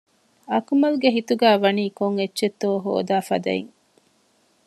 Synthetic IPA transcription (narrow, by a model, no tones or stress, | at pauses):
ɐkumɐluɡeɦit̪uɡæːʋɐniːkoŋetːʃet̪ːoːɦo̰ːd̪aːfɐd̪ɐ̰ḭŋ